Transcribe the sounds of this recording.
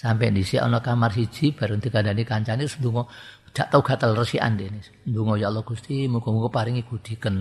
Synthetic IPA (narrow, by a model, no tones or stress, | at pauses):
sampɛ̰ndisiɔ̰nɔkamarsi̥ʒ̥i̤b̥a̤ɾəŋd̪ikandanikaɲt͡ʃanisnd̪uŋɔ | d̪̥a̤ʔt̪auɡ̥a̤t̪əlrəsia̰nd̪eni | nduŋɔjaʔlɔɡ̥ust̪imuŋɡɔmuŋɡɔpaɾɪŋiɡud̪̥i̤kən